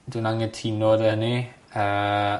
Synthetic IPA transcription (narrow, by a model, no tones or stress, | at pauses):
dunaŋətʰinɔdəni | ə